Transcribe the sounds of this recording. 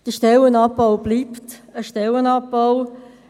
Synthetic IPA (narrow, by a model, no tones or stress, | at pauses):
d̥əʃtɛlənɑpːawb̥liːptəʃtɛlənɑpːaw